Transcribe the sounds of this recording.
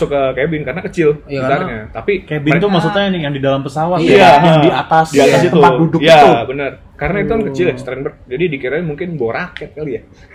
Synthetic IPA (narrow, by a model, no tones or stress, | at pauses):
sʊkːəkebɪnkaɾənakət͡ʃɪlt̪arɲat̪apikebɪt̪umaksut̪̚ɲanjaŋdidalampəsawat̪iaaŋdiat̪asdiat̪asit̪upadudʊkiiaubənər | kaɾənait̪uankət͡ʃɪlast̪ɾɛnbər̚d͡ʒadidikiɾaɲamuŋkɪnboɾakɛt̪̚kalija